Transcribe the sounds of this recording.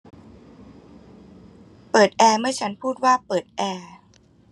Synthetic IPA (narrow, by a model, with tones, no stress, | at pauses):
pɤː˨˩t̪̚ʔɛː˧mɯ˥˩ɐt͡ɕʰa˦˥npʰuː˥˩t̪̚waː˥˩pɤː˨˩t̪̚ʔɛː˧